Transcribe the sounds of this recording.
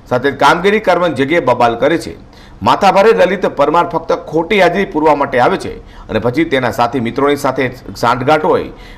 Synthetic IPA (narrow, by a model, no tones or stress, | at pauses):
sat̪ʰed͡ʒkamɡiɾikəɾʋənd͡ʒəɡjebəbalkəɾet͡ʃʰḛ | mat̪ʰabʱaɾeɾəlit̪pəɾmaɾfək̚t̪əkʰoʈijad͡ʒɾipuɾʋamaʈeaʋet͡ʃʰḛ | ə̰nepət͡ʃʰit̪enasat̪ʰemit̪ɾonisat̪ʰesãɳʈɡaʈoɦo̰j